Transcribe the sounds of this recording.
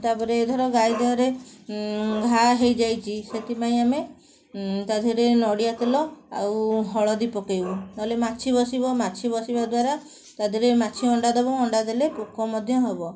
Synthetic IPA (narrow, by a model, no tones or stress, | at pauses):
t̪apɔɾeːd̪ʱɔɾɔɡajd̪eɔɾe | ɡʱaɦejd͡ʒajt͡ʃʰiset̪ipaĩame | t̪ad̪ʱuɾenɔɽiat̪elɔa̰wɦɔɭɔd̪ipɔkejbut̪alemat͡ʃʰibɔsibɔmat͡ʃʰibɔsibad̪waɾa | t̪ad̪ʱuɾemat͡ʃʰiɔɳɖad̪ɔbɔɔɳɖad̪elepokɔmɔd̪ʱjɔɦebɔ